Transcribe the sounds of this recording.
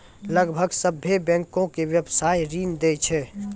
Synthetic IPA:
ləɡbʱəɡsəbʱːebɛ̃ːŋkõkewjəbsaːjɾiːnd̪eːt͡ʃʰɛ

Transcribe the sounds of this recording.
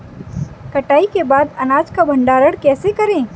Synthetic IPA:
kɐʈaːikebaːd̪ɐnaːd͡ʒkabʱɐ̃ɳɖaːɾəɽkɛːsekɐɾẽː

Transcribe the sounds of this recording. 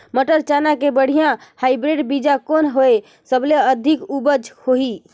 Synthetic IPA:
məʈəɾt͡ʃanakebəɽ̤ijãhajbɾeɖbid͡ʒakonɦoe | səbleəd̪ʱikubəd͡ʒhoɦi

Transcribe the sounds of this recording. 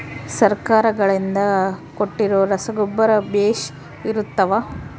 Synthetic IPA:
sɐɾkaːɾɐɡɐɭind̪ɐkoʈːiɾoːɾɐsɐɡubːɐɾɐbeːʃ | iɾut̪ːɐʋa

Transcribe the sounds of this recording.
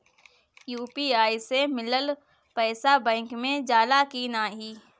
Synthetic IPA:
juːpiːaːisemɪləl | pɛːsabɛ̃ːŋkmẽd͡ʒaːlakiːnaːɦiː

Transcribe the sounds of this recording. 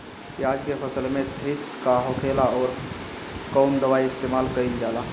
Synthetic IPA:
jaːd͡ʒkepʰəsəlmẽt̪ʰɾipskaɦokʰelaɔːɾ | kɔːnd̪əʋaːiɪst̪eːmaːlkəild͡ʒaːla

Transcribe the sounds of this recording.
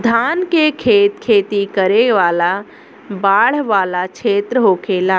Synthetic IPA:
d̪ʱaːnkekʰeːt̪̚kʰeːt̪ikəɾeʋaːla | baːɽ̤ʋaːlat͡ʃʰeːt̪ɾəɦoːkʰeːlaː

